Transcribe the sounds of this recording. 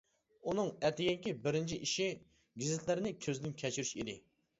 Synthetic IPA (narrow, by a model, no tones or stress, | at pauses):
unɨŋɛt̪ʰɪɡʲɛŋkʲibɪɾɪnt͡ʃʰiʔiʃi | ɡʲizɪt̪ʰlɪɾɪnɪkʲʰøzɪd̪ɪnkʲʰɛt͡ʃʰyɾyʃḭd̪ɪ